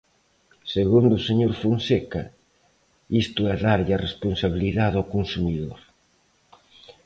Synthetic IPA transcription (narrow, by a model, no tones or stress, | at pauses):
seɣund̪ʊseɲoɾfunsekɐ | ist̪ʊɛðaɾʎɐresponsaβ̞iliðaðowkonsumiðoɾ